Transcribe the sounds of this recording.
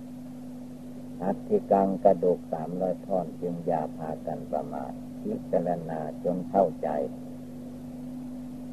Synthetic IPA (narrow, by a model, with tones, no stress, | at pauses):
ʔa˧˦t̪ʰːi˧ka˧ŋka˧˩duː˨˩k̚saː˩˦mlɔː˧˥˨jp̪ʰɔː˧˩˨nt͡ɕɯ˧ŋjaː˧˩pʰaː˧ka˧˨npa̰˧ma̰ː˨˩t̪̚pʰi˧˥ʔ̚t͡ɕa˧la˧naː˧t͡ɕo˧˥nkʰa˥˩˨wt͡ɕa̰˨˧j